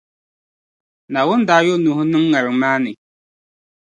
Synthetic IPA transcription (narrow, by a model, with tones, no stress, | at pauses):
na˨wʊ˦n˦daː˨˦jo˦nu˨˦ɦʊ˦nɨ˦ŋː˦a˨ɾɪ˨ŋmaː˦nɪ˨